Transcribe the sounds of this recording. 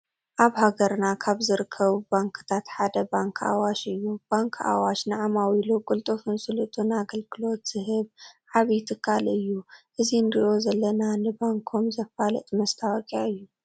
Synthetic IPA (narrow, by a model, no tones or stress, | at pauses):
ʔaβhaɡɐɾnakʰaβzɨɾɨkʰːɐβubaŋkʰɨ̥t̪ʰat̪ħad̪ɐbaŋkʰa̰waʃɨjːub̥aŋkʰa̰waʃnɨʕamawilokʼult̪ʼɨfɨnsɨlɨt̪ʼunaɡɐlɡɨlo̞t̪z̥ɨɦɨβʕaβɐjt̪ʰɨkʰːalɨjːuʔɨzind̪iʔo̞zɐlːɐnanɨbaŋkʰomzɐfalɐ̰t̪ʼmɐst̪ʰawɐkʼaɨjːu